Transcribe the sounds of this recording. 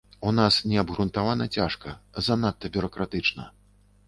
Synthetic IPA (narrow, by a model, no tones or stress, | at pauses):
unasnʲɛɐbɣɾunt̪avanɐt͡sʲaʂkɐzɐnat̪ːɐbʲʊɾɐkɾat̪ɨt͡ʂnɐ